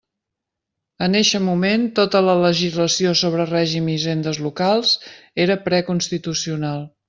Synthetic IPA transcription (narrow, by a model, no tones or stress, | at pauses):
əneʃəmument̪ot̪ələləʒizləsiosoβ̞ɾərɛʒimiʒend̪əzlukalˠzeɾəpɾɛkunst̪it̪usiunalˠ